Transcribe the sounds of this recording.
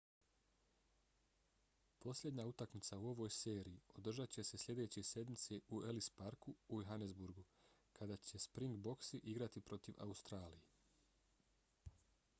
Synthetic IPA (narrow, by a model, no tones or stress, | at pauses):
po̞sʎʲje̞d̪ɲaut̪akmit̪sauo̞ʋo̞ːjse̞ːɾiːo̞d̪r̩ʒat͡ɕe̞se̞slʲe̞d̪e̞ːt͡ɕe̞se̞d̪mit̪se̞uelispaɾkuujuɦanezbuɾɡukʰad̪aːt͡ɕe̞spɾiŋɡbo̞ksiʔiɡɾat̪ipɾo̞t̪iʋa̰ust̪ɾaːlije